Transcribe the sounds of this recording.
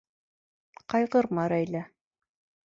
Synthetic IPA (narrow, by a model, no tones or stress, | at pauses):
qɑjʁɤɾmɑɾæjlæ